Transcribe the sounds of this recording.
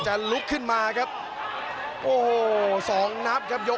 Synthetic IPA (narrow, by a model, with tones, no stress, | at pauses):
t͡ɕa˨lu˦˥kʰːɯ˥˩nmaː˧kʰa˦˥p̚ | ʔoː˧˩hoː˨˩sɔː˩˦ŋna˦˥p̚kʰa˦˥p̚jo˦˥